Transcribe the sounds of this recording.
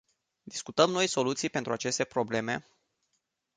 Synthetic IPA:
d̪iskut̪əmno̞jso̞lut̪sijpe̞nt̪ɾuat͡ʃe̞st̪e̞pɾo̞ble̞me̞

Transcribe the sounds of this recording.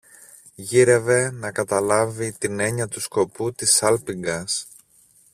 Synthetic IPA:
ʝiɾe̞ve̞nɐkɐt̪ɐlɐvit̪ine̞ɲɐt̪usko̞put̪isɐlpiŋɡɐs

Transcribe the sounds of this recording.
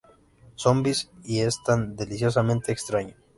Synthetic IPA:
so̞mbisie̞st̪and̪e̞lisjo̞s̬amẽnt̪e̞ːkst̪ɾaɲo

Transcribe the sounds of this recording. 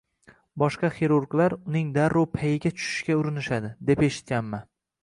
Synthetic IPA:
bɒʃqɑχeɾuɾklaɾʊnɪŋd̪aɾːɒpʰajɪɡʲat͡ʃʰʊ̥ʃɪ̥ʃkʲaʊɾɪnɪʃad̪ɪd̪e̞peʃɪ̥t̪̚kʲanman

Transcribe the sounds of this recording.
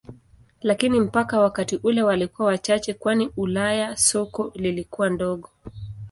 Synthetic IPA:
lakinim̩pakawakatiʔulɛwalikuwawat͡ʃat͡ʃɛkwaniulajasɔkɔlilikuwandɔɠɔ

